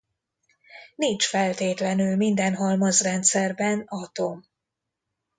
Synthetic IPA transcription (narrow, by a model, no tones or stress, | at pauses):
nint͡ʃfɛlt̪eːt̪lɛnylmind̪ɛnɦɒlmɒzrɛnt̪sɛrbɛnɒt̪o̞m